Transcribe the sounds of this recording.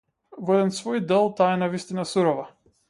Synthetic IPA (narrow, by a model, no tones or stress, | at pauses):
vɔɛd̪ɛnsvɔjd̪ɛlˠt̪aɛnavist̪inasuɾɔva